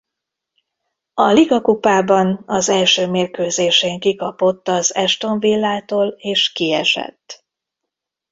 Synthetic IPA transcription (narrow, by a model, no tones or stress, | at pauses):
ɒliɡɒkupaːbɒnɒzɛlʃøːmeːrkøːzeːʃeːŋkikɒpot̪ːɒzɛʃt̪o̞ɱvilːaːt̪oːleːʃkiɛ̰ʃɛ̰t̪ː